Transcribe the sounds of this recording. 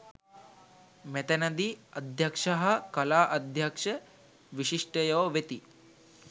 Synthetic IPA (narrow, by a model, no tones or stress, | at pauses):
met̪ɐnɐd̪iɐd̪ʱjɐkʂɐɦɐ̆kɐlaːʔɐd̪ʱjakʂɐ | ʋiʃiʂʈɐjɐːʋet̪i